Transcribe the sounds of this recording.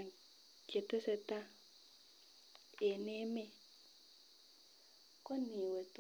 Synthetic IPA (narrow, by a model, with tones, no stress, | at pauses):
ke˨te˦sɛ˨ta˦ | e˨ne˦me˦ | ko˦ni˨we˨t